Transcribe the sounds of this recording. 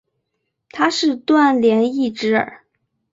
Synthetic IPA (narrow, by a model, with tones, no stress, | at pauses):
t̪ʰa˥ʂɻ̩˥˧t̪wa˥˩nljɛ˧˥ni˥˩ʈ͡ʂɻ̩˧˥ə̰˞˨˩˦